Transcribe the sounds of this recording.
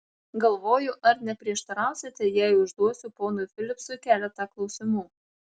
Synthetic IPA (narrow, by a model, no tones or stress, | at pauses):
ɡɐlˠʋoːjʊʔɐɾnʲɛpʲɾʲiɛʃt̪ɐɾɑˑʊsʲɪt̪ʲɛjæɪʊʒd̪uɔsʲʊpoːnʊfʲɪlʲɪpsʊkʲæːlʲɛt̪ɑklˠɒʊsʲɪmuː